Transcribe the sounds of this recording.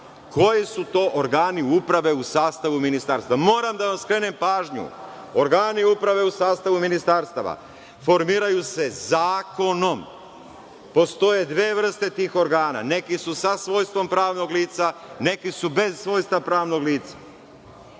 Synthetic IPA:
kʰo̞jisut̪o̞ːʔoɾɡaːniupɾaʋe̞usaːst̪aʋuminist̪aɾst̪aʋamo̞ːɾamd̪aʋamskɾe̞ːne̞mpaːʒɲṵ | o̞ɾɡaːniupɾaʋe̞usaːst̪aʋuminist̪aɾst̪aʋa̰ | fo̞ɾmiːɾajuse̞zaːko̞no̞m | po̞st̪o̞je̞d̪ʋeːʋr̩st̪e̞t̪iːxo̞ɾɡaːna̰ne̞kisusasʋo̞ːjst̪ʋo̞mpɾaːʋno̞ɡliːt̪sane̞kisube̞zsʋo̞ːjst̪apɾaːʋno̞ɡliːt̪sḁ

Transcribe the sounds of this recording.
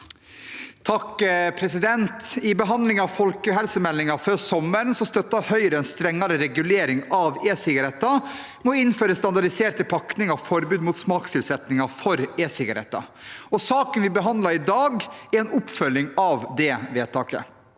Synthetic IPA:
t̪ʰɑkpʰɾɛsɪd̪ɛnt̪ɪbəɦɑnd̪lɪŋɑʋfɔlkəɦɛlsəmɛlːɪŋɑføːɾsɔmːənsɔst̪œt̪ːɑhœʏɾəɛnst̪ɾɛŋːɑɾəɾɛɡʉleːɾɪŋɑʋeːsɪɡɑɾɛt̪ːɑ | mɔɪnføːɾəst̪ɑnd̪ɑɖɪseːɾt̪əpʰɑknɪŋɑfɔɾbʉːd̪muːt̪smɑːkst̪ɪlsɛt̪nɪŋɑfɔɾeːsɪɡɑɾɛ̰t̪ːɑ̰ɔsɑːkənʋɪbəɦɑnd̪lɑɾɪd̪ɑːɡɛɾɛːnʊpfœlːɪŋɑʋd̪ɛʋeːt̪ɑːkə̰

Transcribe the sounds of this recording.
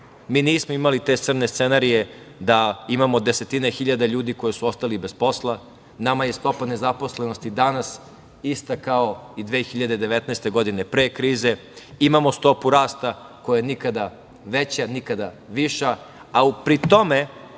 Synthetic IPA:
miːniːsmoimalit̪e̞ːt̪sr̩nest̪senaɾije̞ | d̪aimamo̞d̪e̞se̞t̪inexiʎad̪aʎuːd̪iko̞jisuost̪alibe̞spo̞slˠa | namaje̞st̪o̞pane̞zaposle̞no̞st̪id̪anas | ist̪akaoid̪ʋeːxiʎad̪e̞d̪e̞ʋe̞t̪nɛst̪e̞ɡo̞d̪ine̞pɾeːkɾiːze̞imamo̞st̪o̞puɾaːst̪akojajenikad̪a | ʋet͡ɕanikad̪a | ʋiʃa | aupɾit̪o̞me̞

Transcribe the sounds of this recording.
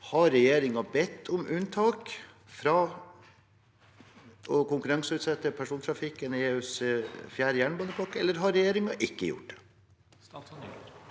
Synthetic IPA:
hɑɾːɛjeːɾɪŋɑbɛt̪ʰːʊmʔʉnt̪ʰɑːk | fɾɑː | ʔɔkʊŋkʉɾɑŋsəʉːt̪sɛt̪ːəpʰæʂuːnt̪ʰɾɑfɪkːənɪeːʉsfjæːɾəjæːɳbɑnəpʰɑkːɛlːəɾɦɑɾɛjeːɾɪŋɑʔɪkːəjʊ̰ʈ̚d̪ɛ̥

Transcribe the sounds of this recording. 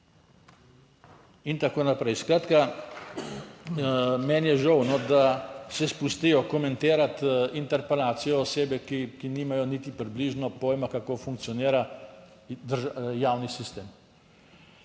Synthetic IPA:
int̪akoːnapɾɛjskɾaːt̪ka | mɛnjɛʒəwnɔd̪asɛspust̪ijɔkɔmɛ̃nt̪eːɾat̪int̪ɛɾpɛlaːt̪sijɔːseːbɛkikiniːmajɔnit̪ipɾibliːʒnɔpoːjmakakoːfuŋk̚tsijɔniːɾa | d̪əɾʒjaːwnisist̪eːm

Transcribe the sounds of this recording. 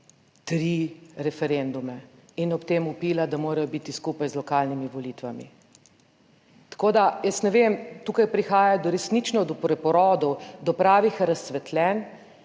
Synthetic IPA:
t̪ɾiɾɛfɛɾend̪umɛinɔpt̪emupiːlad̪amoːɾɐjɔbit̪iskupajzlɔkaːlnimiʋɔlit̪ʋamḭ | t̪ḁkoːd̪ajəsnɛʋemt̪ukajpɾixaːjajd̪ɔɾɛsnit͡ʃnɔd̪ɔpɾɛpɔɾɔːd̪ɔwd̪ɔpɾaːʋixɾɐsːʋɛt̪lɛːn

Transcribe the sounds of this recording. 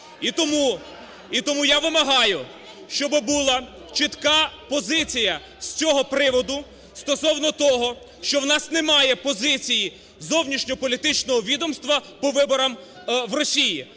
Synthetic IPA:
it̪ɔmu | it̪ɔmujaʋɪmɐɦɑjʊ | ʃt͡ʃɔbɪbulˠɐ | t͡ʃɪt̪kɑpɔzɪt͡sʲijɐ | sʲt͡sʲɔɦɔpɾɪʋɔd̪ʊ | st̪ɔsɔwnɔt̪ɔɦɔ | ʃt͡ʃɔwnɑsnemɑjɛpɔzɪt͡sʲiji | zɔwnʲiʃnʲɔpɔlʲit̪ɪt͡ʃnɔɦɔʋʲid̪ɔmst̪ʋɐpɔʋɪbɔɾɐm | ʋrɔsʲiji

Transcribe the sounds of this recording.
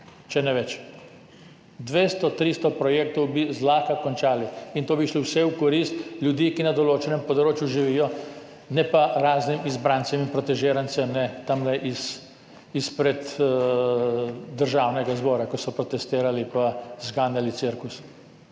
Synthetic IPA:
t͡ʃɛnɛʋɛt͡ʃ | d̪ʋeːst̪ɔt̪ɾiːst̪ɔpɾɔjeːk̚t̪ɔwbizlaːxkakɔnt͡ʃaːliint̪oːbiʃliwsɛwkɔɾist̪ljud̪iːkinad̪ɔloːt͡ʃɛnɛmpɔd̪ɾoːt͡ʃjuʒiʋiːjɔ | nɛpaɾaːznimizbɾaːnsɛminpɾɔt̪ɛʒeːɾansɛmnɛt̪amlɛʔis | ispɾɛd̪ | d̪əɾʒaːwnɛɡazbɔːɾakɔsɔpɾɔt̪ɛst̪eːɾalipazɡaːnjalit̪siɾkus

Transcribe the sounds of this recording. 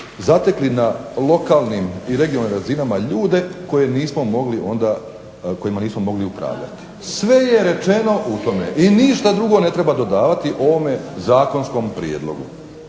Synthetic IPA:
zat̪e̞klinalˠo̞kaːlˠnimiɾe̞ɡiolnimɾazinamaʎuːd̪e̞ko̞je̞niːsmo̞mo̞ɡliʔo̞nd̪a | ko̞jimaniːsmo̞mo̞ɡliupɾa̰ːʋʎa̰t̪i̥ | sʋe̞je̞ɾe̞t͡ʃe̞no̞ʔut̪o̞meʔiniʃt̪ad̪ɾuɡo̞ne̞t̪ɾe̞bad̪o̞d̪aːʋat̪iʔo̞ʋo̞me̞zaːko̞nsko̞mpɾiḛːd̪lˠo̞̰ɡṵ

